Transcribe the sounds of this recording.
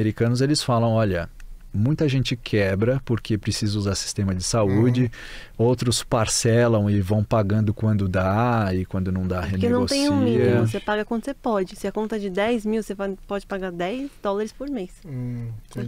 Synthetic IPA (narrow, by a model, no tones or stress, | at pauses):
eɾikɐ̃nʊzelɪsfalɐ̃w̃ɔʎɐ | mũj̃t̪ɐʒẽnt͡ʃɪkʰɛbɾɐpoɾkʰepɾesizɐuzaɾsi̥st̪ẽmɐd͡ʒɪsaud͡ʒɪ | owt̪ɾʊspaɾsɛlɐ̃w̃ɪvɐ̃w̃paɡɐ̃nd̪ʊkwɐ̃nd̪ʊd̪aɪkwɐ̃nd̪ʊnɐ̃w̃d̪ahenenɐ̃w̃ot̪ẽũimiws̬epaɡɐkwɐ̃nd̪ʊsepɔd͡ʒɪsɪɐkõnt̪ɐd͡ʒɪd̪ɛjzmiwsevapɔd͡ʒɪpaɡad̪ɛjzd̪ɔlaɾɪspoɾmes